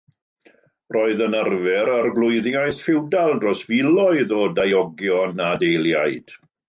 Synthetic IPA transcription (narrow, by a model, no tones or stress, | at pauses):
roːɨðənərvɛɾərɡlˠʊɨðjajθfɪwdalˠdrɔsvɪlˠɔɨðɔdajɔɡjɔnadejlˠja̰jd̥